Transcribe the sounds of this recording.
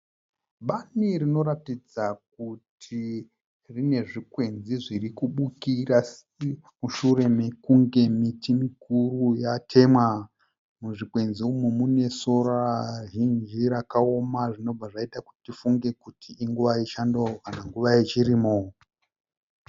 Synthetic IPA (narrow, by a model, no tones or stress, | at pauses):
ɓaniɾino̞ɾatid͡zak̚utʰi | rine̞ʐikwe̞nziʐirikuɓukiras | muʃure̞mekuŋɡe̞mitimikurujatʰe̞mwa | muʐikwe̞nziumumune̞so̞ɾaʒind͡ʒiɾakao̞maʐino̞b͡vaʐaitaku̥tifuŋɡe̞kutʰiʔiŋɡuʋait͡ʃandokanaŋɡuʋait͡ʃiɾiːmo